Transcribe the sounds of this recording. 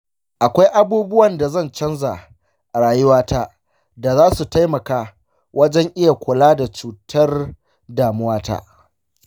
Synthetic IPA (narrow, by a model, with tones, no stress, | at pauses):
ʔa˨kʷa˦jʔa˦˨buː˦bʊ˦wɐ˨nda˨zɐ˦˨nt͡ʃɐ˦nza˨ʔ | ʔɾaː˨jʊ˦waː˦tʰaː˦ | da˨zaː˦su˨ta˦jmɐ˨kaː˦ | wʔɐ˦d͡ʒɛ˦ŋʔɪ˦ja˨kʷʊ˨laː˦da˨t͡ʃuː˨tʰɐ˦r | daː˨mʊ˦waː˦ta̰ː˦ʔ